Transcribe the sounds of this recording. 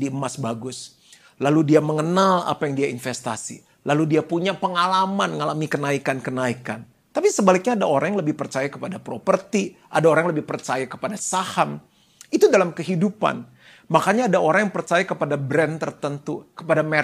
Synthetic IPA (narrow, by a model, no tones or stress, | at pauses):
diəmasbaɡʊs | laludiaməŋənala̰pajaŋdiainfɛst̪a̰sḭ | laludiapuɲapəŋalamanŋalamikənaikankənaikan | t̪apisəbalɪk̚ɲaːdaoɾaŋjaŋləbɪhpərt͡ʃajakəpadapɾopərt̪i | ʔadaoɾaŋləbɪhpərt͡ʃajakə̥padasaham | it̪udalamkəɦidupa̰n | makaɲaːdaoɾaŋjaŋpərt͡ʃajakəpadabɾɛnt̪ərt̪ənt̪ukəpadame